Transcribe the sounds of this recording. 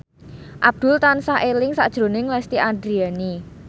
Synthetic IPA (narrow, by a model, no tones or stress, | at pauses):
ʔab̚d̪̥ʊ̤lt̪ansaʔelɪŋsa̰ʔd̥ʒ̥ɾo̤nɪŋlɛst̪iʔand̪ɾiani